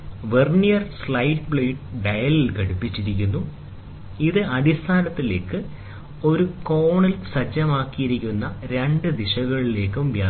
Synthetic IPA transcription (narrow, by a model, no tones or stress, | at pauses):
ʋernijɐrslɐjʈ̚bɭeːɖɨɖɐjɐlikɐɽupːit͡ɕːiɾikʲːunːu | iðɨɐɽist̪ʰaːnɐt̪ːile̞ːkːɨ | o̞ɾuko̞ːɳilsɐd͡ʑɐmaːkːijiɾikʲːunːɐɾe̞ɳɖɨd̪iɕɐɣɐɭile̞ːkːumʋjaː